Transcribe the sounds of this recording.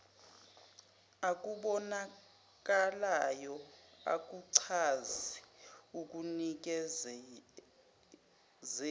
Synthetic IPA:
ak̬ʼuɓɔna | k̬ʼalajɔa̰k̬ʼuǀʰaziuk̬ʼunik̬ɛ | zɛ

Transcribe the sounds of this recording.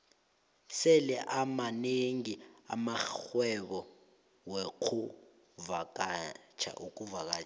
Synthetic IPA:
sɛlɛʔamaneŋia̰maxwɛɓɔ | wɛkʰu | vak̬ʼat͡ʃʰa̰ʔuk̬ʼuvak̬aːt͡ʃʰ

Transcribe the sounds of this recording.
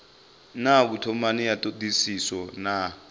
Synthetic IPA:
naɓutʰɔmanijatʼodisisɔna

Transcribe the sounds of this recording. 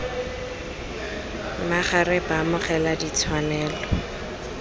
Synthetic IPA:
maχarɛpamʊχɛladit͡sʰwanɛːlɔ

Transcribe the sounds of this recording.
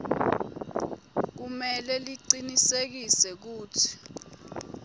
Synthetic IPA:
k̬umɛlɛliǀinisek̬isɛk̬uːtʰi̥

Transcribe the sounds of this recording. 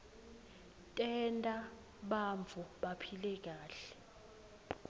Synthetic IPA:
tʼɛntʼa | ɓaɱvʰʱuɓapʰilɛk̬aːɬɛ̥

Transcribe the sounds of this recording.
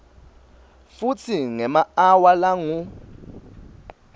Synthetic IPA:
fut͡sʰiŋɛmaawalaŋu

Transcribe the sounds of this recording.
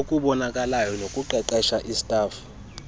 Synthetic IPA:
okʼuɓɔnakʼalajɔnokʼuǃɛǃɛʃaʔisi̥tʼaːfu̥

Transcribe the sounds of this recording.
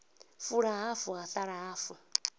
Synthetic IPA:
fuɺaɦafuɣaθaɺaɦafu

